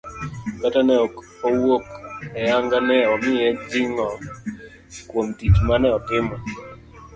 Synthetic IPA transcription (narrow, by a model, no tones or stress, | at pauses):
katanɛɔ | owokɛaŋɡanɛɔmɪjɛd͡ʒiŋɔ | kwomtit͡ʃmanɛɔtɪmɔ